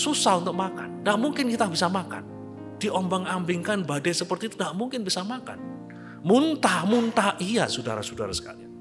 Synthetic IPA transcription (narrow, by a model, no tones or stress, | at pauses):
susahunt̪ʊk̚maka̰ndaʔmuŋkɪnkit̪abisamaka̰n | d̥iʔɔmbɔŋambɪŋkanbadɛsəpərt̪iːt̪unɡaʔmuŋkɪnbisamaka̰n | munt̪ahmunt̪ahʔijasuda̰ɾa̰suda̰ɾa̰sə̥ka̰lia